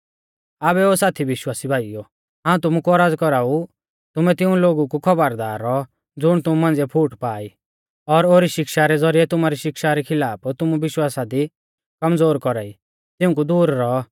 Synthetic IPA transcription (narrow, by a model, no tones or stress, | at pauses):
aːbɛoːsaːt̪ʰiʋɪʃwaːsibʱaːijo | ɦãːũt̪ʊmukuɔɾaːd͡zkɔɾaːu | t̪ʊmɛt̪ɪ̃ũloːɡukukʰɔbəɾd̪aːɾːɔɔ | d͡zʊɽ̃t̪ʊmumãːnd͡zɛpʰuːʈpaːi | ɔɾoːɾiʃɪkʃaɾɛd͡zɔɾiɛt̪ʊmaɾiʃɪkʃaɾɛkʰɪlaːpt̪ʊmubɪʃwaːsad̪i | kɐmd͡zoːɾkɔɾaːi | t̪ɪ̃ũk̬ud̪uːɾːɔ